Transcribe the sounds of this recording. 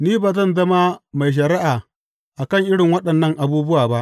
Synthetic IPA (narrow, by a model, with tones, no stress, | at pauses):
niː˦baː˨t̬ɐ˦nzɐ˦ma˦ma˨jʃ̬ɐ˨ɾi˦ʔa˨ | ʔa˨kɐ˦˨ŋʔɪ˦ɽɪ˨ŋwɐ˦ɗɐ˨nːɐ˦ŋʔa˨buː˦bʊ˦waː˨ba˦ʔ